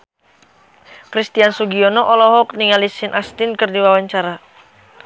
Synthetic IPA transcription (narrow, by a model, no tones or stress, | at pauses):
kɾist̪iansuɡiɔnɔʔɔlɔɦɔk̚niŋalisinʔast̪inkɨrdiwawaɲt͡ʃaɾa